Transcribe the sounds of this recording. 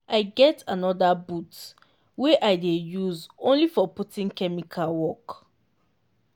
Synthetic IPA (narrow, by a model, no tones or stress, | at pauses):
ʔaɪɡɛtʰanɔdabut | weʔaɪdejuzõnlifɔputĩŋkɛmikʰalwɔk